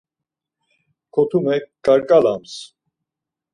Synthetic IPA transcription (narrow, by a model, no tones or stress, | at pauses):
kʰɔt̪ʰumɛkɡaɾkʼalams